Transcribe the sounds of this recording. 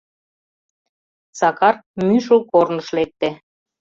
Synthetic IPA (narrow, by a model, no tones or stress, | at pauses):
sɑkɑrmyʃə̆lkornə̆ʃlek̚t̪ĕ